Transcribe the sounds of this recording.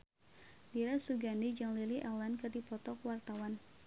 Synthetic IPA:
diɾasuɡandid͡ʒaŋliliʔɛlankɨrdipɔt̪ɔkwart̪awan

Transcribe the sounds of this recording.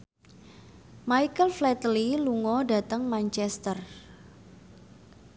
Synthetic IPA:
majkəlflɛt̪liluŋɔɖä̤t̪əŋmant͡ʃɛst̪ər

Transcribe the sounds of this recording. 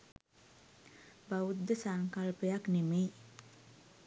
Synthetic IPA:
baud̪ːəsaŋkalpəjaknemej

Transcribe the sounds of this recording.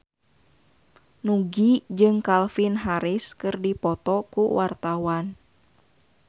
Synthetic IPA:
nuɡid͡ʒɨŋkalfinɦaɾiskɨrdipɔt̪ɔkuwʔart̪awan

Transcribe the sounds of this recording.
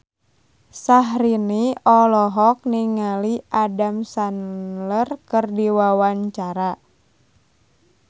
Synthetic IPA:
saɦɾiniɔlɔɦɔk̚niŋaliʔadamsanlərkɨrdiwawaɲt͡ʃaɾa

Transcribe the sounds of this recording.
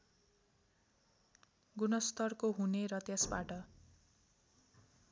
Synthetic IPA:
ɡunʌst̪ʌrkoɦuneɾʌt̪jesbaʈʌ

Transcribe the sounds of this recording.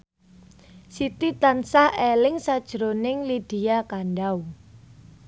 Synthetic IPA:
sit̪it̪ansahelɪŋsad̥ʒ̥ɾonɪŋlid̪̥iakanɖaw

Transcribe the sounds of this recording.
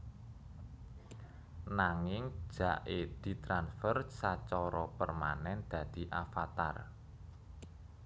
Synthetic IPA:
naŋɪŋ̥ʒ̥a̤ʔed̪̥i̤t̪ɾansfərsat͡ʃɔɾɔpərma̰nɛnd̪̥ä̤d̪̥i̤ʔafat̪a̰r

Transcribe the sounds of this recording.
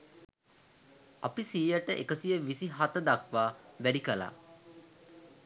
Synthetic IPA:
a̰pisijəʈəʔḛkəsijəʋisiɦat̪əd̪akʋaːʋæɖikəla̰ː

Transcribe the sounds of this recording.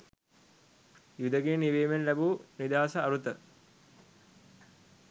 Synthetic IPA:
jud̪əɡeːniʋeːmenlæbuːnid̪aːsəɐɾut̪ə

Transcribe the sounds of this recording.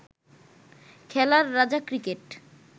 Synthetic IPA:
kʰɛlaɾːad͡ʑakɾikeʈ

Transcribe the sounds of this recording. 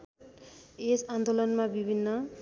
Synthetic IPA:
esand̪olʌnmabibʱinːʌ

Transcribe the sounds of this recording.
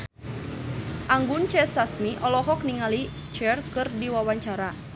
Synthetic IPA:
ʔaŋɡʊnt͡ʃɛsasmiʔɔlɔɦɔk̚niŋali | t͡ʃɛrkɨrdiwawaɲt͡ʃaɾa

